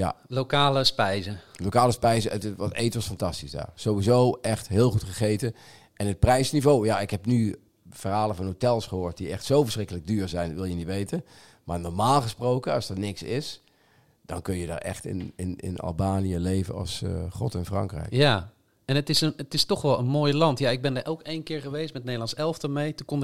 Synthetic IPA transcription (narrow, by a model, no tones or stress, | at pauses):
ja̰lokaːləspɛjzəlokaːləspɛjzəʔətɪʋɔteːtʋɔsfantɑstisda̰ːrsowʋizowʔɛxtɦɪːlˠxutχəχeːtə | ʔɛnɦət̚prɛjsnivoːjaɪkɦɛpny | fərɦaːlˠəvɔnɦotɛlˠsχəɦoːt̚diʔɛxtsowvərsrɪkələɡ̚dyːɹzɛjnʋɪlˠjənitʋejtən | maːɹnɔɹmaːlˠχəsprowkəɑsdənɪksɪs | d̥ɑnkɵnjəda̰ɹɛ̰xtɪ̰nɪnɪ̰nɑ̰lˠbaːnijəlejvə̰nɑ̰lˠsχrɔ̰tɪnfrɑ̰ŋkrɛ̰jkja | ɛnətɪsənətɪstɔχʋɛlˠənmoːjlɑntjaɪɡ̚bɛndəɹʔɛlˠkejnkɪːɹχəʋejstmɛt̚nejdəlˠɑnsɛlˠftəmejtukɔn